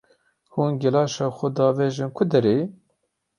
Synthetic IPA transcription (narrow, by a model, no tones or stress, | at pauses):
huːnɡɛlɑːʃɑːxʷʊd̪ɑːveːʒɪnkʰʊd̪ɛɾeː